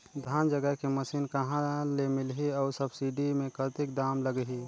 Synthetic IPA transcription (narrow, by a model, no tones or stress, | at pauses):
d̪ʱaːnd͡ʒəɡəɦkeməsiːnkɐɦãlemɪlɦiɔːɾsəbsiɖimẽkət̪ɪk̚ɖaːmləɡɦiː